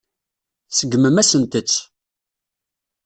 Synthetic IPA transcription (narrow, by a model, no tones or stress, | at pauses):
səɡməmæsənt̪ət͡sː